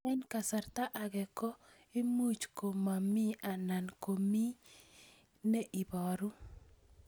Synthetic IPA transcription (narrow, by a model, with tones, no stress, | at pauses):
ɛ˦nka˨sa˨rt̪a˦ʔa˨ɡɛ˨kɔ˦ | i˦mu˦t͡ʃko˨ma˨mi˦a˨na˨nko˨mi˦ | ne˦ʔi˨bɔ˨ɾu˦